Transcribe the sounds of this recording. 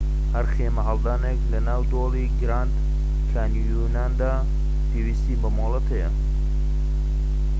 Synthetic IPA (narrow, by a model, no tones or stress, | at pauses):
hɐɾxeːmɐɦɐlˠd̪aːneklɐnaːwd̪oːliːɡɾaːnd̪ | kʰaːnjunaːnd̪aː | pʰewiːst̪iːbɐmoːlˠɐt̪ʰɐjɐ̰